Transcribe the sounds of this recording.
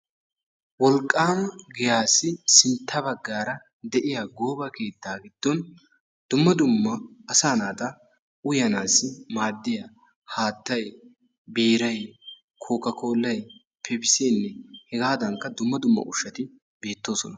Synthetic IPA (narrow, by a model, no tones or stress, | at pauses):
wɔlkʼːaːmɐɡɪjaːsːɪsɪnt̪ːɐbɐɡːaːɾɐ | d̪ɛʔɪjaːɡo̞ːbɐke̞ːt̪ːaːɡɪd̪̥ːɔn | d̪̥ʊmːɐd̪ʊmːɐːsaːnaːt̪ɐ | ʊjɐnaːsːɪmaːd̪ːɪja | haːt̪ːɐj | biːɾɐj | kʰoːkːɐkʰo̞ːlːɐj | pʰɛbɪseːnːɛhɛɡaːd̪ɐŋkːɐd̪ʊmːɐd̪ʊmːɐ̰ʔʊʃːɐt̪ɪ | be̞ːt̪ːo̞ːsɔnɐ